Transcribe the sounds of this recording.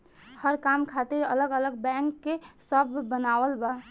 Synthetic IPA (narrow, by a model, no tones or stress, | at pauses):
həɾkamkʰat̪iɾələɡələɡbɛ̃ŋkːesəbːənawəlba